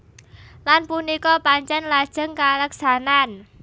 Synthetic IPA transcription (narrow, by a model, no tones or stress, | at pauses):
lanpunikɔpaɲt͡ʃɛnlad̥ʒ̥ə̤ŋkaləksanan